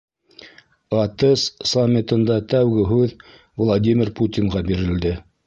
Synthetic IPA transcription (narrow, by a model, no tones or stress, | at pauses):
ɑt̪ɤssamʲːɪt̪ɤ̆nd̪ɑt̪æwɡɘɦʉð | vlˠad̪ʲimʲɪɾput̪ʲinʁɑbiɾɘ̆ld̪ɘ